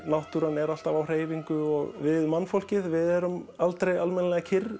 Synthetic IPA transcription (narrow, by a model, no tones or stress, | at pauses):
nawht̪uɾanɛɾal̥t̪avawr̥eːjviŋkʏɔ̰ɣvɪðmanːfowl̥cɪðvɪðɛɾʏmalt̪ɾejalmɛnlɛɣacʰɪr